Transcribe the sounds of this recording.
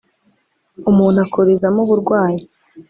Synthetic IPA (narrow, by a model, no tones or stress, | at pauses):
umuːn̥uakʰoɾezamuβuɾɡwaːji